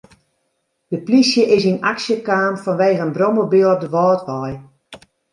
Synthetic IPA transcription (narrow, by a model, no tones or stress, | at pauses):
d̥əplisjəʔɪsinaksjəkaːmfɔnʋeːɣəənbrɔməbiəlˠɔp̚dəʋɔːtʋɔj